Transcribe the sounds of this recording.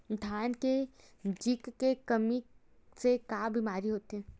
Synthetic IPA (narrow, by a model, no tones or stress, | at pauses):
d̪ʱaːnke | d͡ʒikːekɐmi | sekaːbimaːɾiɦoːt̪iɦɛ̃ː